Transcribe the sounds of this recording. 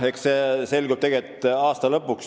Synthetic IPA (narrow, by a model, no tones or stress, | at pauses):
eksese̞lʲɡub̥̚t̪eɡet̪ːˑɑːst̪ɑlɤpːˑuks